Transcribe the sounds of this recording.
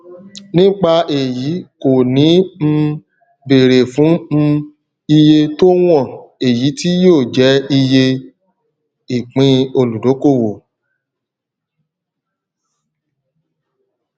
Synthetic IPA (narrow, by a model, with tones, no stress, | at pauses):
nĩ˦k͡pa˧e˨ji˨˦ko˨nĩ˨˦m̩˧ | be˨ɾe˨fũ˨˦˧ | i˧je˧to˦w̃ɔ̃˦˨e˨ji˨˦ti˦joː˦˨d͡ʒɛ˨˦i˧je˧ | i˨k͡pĩ˧o˧lu˨do˨˦ko˦˨wo˨